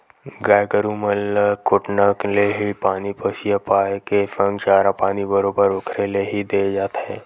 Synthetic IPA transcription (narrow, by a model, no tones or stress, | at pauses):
ɡaːjɡəɾumələkʊʈnəkleɦipaːnipəsijəpaːjkefə̃ŋɡt͡ʃaːɾapaːnibəɾoːbəɾʊkʰɾeleɦid̪eːd͡ʒaːt̪ɦɛ̃ː